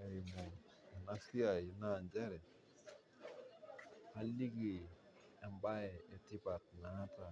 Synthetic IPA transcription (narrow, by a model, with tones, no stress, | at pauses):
ɛ˨i˨mɔ˨ | ɛ˨na˦si˦a˨i˨na˦˨nd͡ʒɛ˦ɾɛ˨ | a˦li˦ɡi˨ | ɛ˨mba˦ɛ˨ɛ˨tɪ˦pa˨t̚na˨˦ta˨